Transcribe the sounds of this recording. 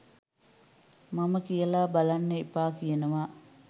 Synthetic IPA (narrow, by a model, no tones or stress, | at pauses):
maməkijəlaːbalanːeipaːkijənəʋa